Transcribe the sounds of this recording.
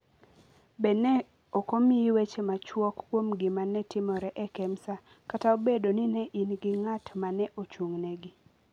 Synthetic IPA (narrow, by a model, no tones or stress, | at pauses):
bɛnɛ | okomiiwet͡ʃemat͡ʃwɔkːwomɡɪmanɛtɪmɔɾɛʔɛkɛmsa | kataobedonɪnɛʔinɡɪŋatmanɛʔot͡ʃuŋnɛɡɪ